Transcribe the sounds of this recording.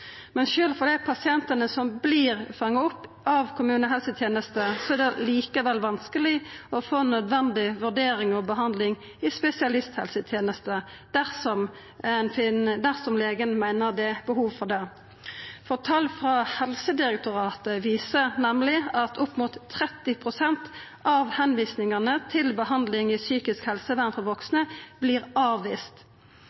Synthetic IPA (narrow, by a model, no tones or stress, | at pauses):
mɛnʃøːlfɔʁd̪æɪpʰɑsɪɛnt̪ənəsɔmbliːʁfɑŋːɑɔpː | ɑʋkʰʊmʉːnəɦɛlsət̪ʰjeːnəst̪əsɔæːd̪ɛliːkəʋɛlʋɑnskəlɪɔfoːnœd̪ʋɛnd̪ɪʋʉʁd̪eːɾɪŋɔbəɦɑnd̪lɪŋ | ɪspɛsɪɑlɪst̪hɛ̰lsət̪ʰjeːnəst̪əd̪̥æʁsɔm | ɛnfɪnd̪æʁsɔmleːɡənmæɪnəʁd̪ɛbəhuːʋfɔʁd̪ɛ | fɔʁt̪ʰɑlfʁɑhɛlsəd̪ɪʁɛk̚t̪ʊʁɑːt̪əʋiːsənɛmlɪɑt̪ʰʊpːmut̪ʰːʁɛt̪ːɪpʰʁʊsɛnt̪ | ɑʋhɛnʋiːsnɪŋɑnət̪ʰɪlbəhɑnd̪lɪŋɪsyːkɪskhɛlsəʋæʁnfɔʋɔksnəb̥liːʁɑːʋːiːst̪